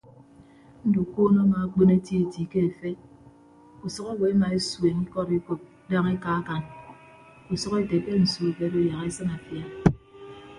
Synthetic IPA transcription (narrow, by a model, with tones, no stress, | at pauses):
n̩˦du˨ko˦nɔ˦ma˨a˨˦k͡pe˦ne˦ti˦e˨ti˨ke˦e˨fe˦ | u˨sɔ˦ka˦we˨a˦ma˨e˦swe˨n̩˦kɔ˦ɾi˦k͡po˨p̚da˦ŋe˦ka˦a˦ka˨n | u˨sɔ˦ke˦te˨ke˦n̩˨su˨˦e˨be˦do˦ja˨ke˦sɨ˦na˨fja˨